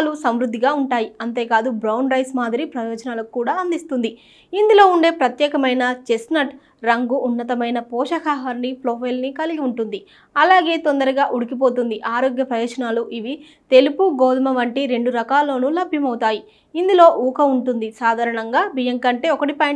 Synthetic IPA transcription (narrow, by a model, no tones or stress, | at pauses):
lusɐmʋɾud̪ʱːiɡaːuɳʈaːjiɐnt̪e̞ːkaːd̪ubɾɐwnɾɐjsmaːd̪iɾipɾɐjɔːd͡ʒɐnaːlɐkukːuːɽaːɐnd̪ist̪und̪i | ind̪ulo̞ːuɳɖe̞ːpɾɐt̪jɛːkɐmɐjnɐt͡ʃesnɐʈ | ɾɐŋɡuʔːnːɐt̪ɐmɐjnɐpɔːʃɐkaːɦɐɾniploːpʰɐjlnikɐliɡiuɳʈund̪i | ɐlaːɡe̞ːt̪ond̪ɐɾuɡaːʔuɽikipo̞ːt̪̬und̪iʔaːɾoːɡjɐpɾɐjɔːd͡ʒɐnaːluʔiʋi | t̪e̞lipuɡoːd̪mɐʋɐɳʈiɾe̞ɳɖuɾɐkaːlːo̞ːnulɐbʱjɐmɐwut̪aːji | ind̪ulo̞ːʔuːkɐuɳʈund̪isaːd̪ʱaːɾɐɳɐŋɡaːbijɐŋkɐɳʈe̞ːɔkɐʈipɐj